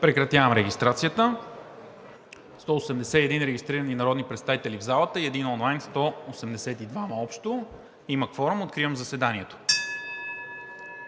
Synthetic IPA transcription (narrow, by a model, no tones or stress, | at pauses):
pɾɛkɾɐt̪javəmɾɛɡʲist̪ɾat̪sijət̪ə | st̪ɔosɛmd̪ɛsɛiɛd̪inɾɛɡʲist̪ɾiɾəninɐɾɔd̪nipɾɛt̪st̪avit̪ɛlivzalˠət̪əiɛd̪inɔnlˠajnst̪ɔosɛmd̪ɛsɛt̪id̪vaməɔpʃt̪o | iməkfɔɾumot̪̚kɾivəmzəsɛd̪aniɛt̪o̥